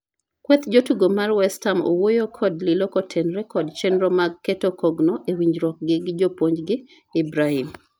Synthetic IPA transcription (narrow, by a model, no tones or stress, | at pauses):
kwɛt̪d͡ʒotuɡomarwɛstamo̰wojokʰɔdlɪlokotʰɛnɾɛkɔdt͡ʃɛnɾɔmaɡ̚ketokʰɔɡnɔʔewiɲd͡ʒɾɔk̚ɡɪɡɪd͡ʒopoɲd͡ʒɡɪ | ɪbɾahim